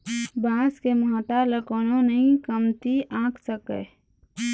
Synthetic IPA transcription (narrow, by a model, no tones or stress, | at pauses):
baːskemaːʈaləkoːnõnəɦĩkəmt̪iʔãːkʰsəkə̰